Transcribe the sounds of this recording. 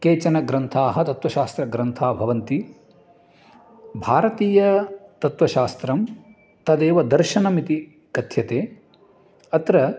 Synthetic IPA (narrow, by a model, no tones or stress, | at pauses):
keːt͡ʃɐnɐɡɾɐnt̪ʰaːɦɐ̆t̪ɐt̪ʋɐʃaːst̪ɾɐɡɾɐnt̪ʰaːbʱɐʋɐnt̪i | bʱaːɾɐt̪iːjɐt̪ɐt̪ʋɐʃaːst̪ɾɐm | t̪ɐd̪eːʋɐd̪ɐɾʃɐnɐmit̪i | kɐt̪ʰjɐt̪eː | ɐt̪ɾɐ